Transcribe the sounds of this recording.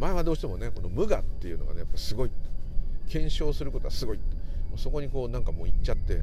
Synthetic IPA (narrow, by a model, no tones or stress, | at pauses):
maeβad̪o̞ːɕi̥t̪e̞mone̞ko̞no̞mɯ̟ɡat̪ːe̞jɯ̟no̞ɡa̰ne̞japːaisɨɡo̞it̪kẽ̞ɰ̃ɕo̞ːsɨɾɯko̞t̪o̞asɨɡo̞it̪moːso̞ko̞ɲ̟iko̞ːnãŋkamo̞ːit͡ɕat̪ːe̞̰